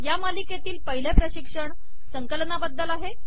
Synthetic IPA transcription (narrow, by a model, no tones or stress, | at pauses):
jamalikjet̪iːlpəɦilepɾəɕikʂəɳ | səŋkəlnabəd̪ːəlaɦe